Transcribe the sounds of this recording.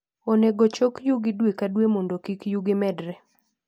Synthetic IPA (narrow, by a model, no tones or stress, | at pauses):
oneɡot͡ʃokjuɡɪdwekadwemondokikjuɡɪmɛdɾɛ